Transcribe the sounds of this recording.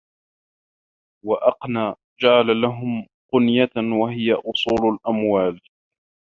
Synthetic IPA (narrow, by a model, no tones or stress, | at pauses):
waʔɑqnaː | d͡ʒaʕalalaɦʊm | qʊnjawaɦɪjaʔʊsˤuːlalʔamwaːl